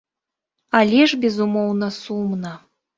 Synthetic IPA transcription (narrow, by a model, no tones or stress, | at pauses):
alʲeʒbʲezumownɤsumnɑ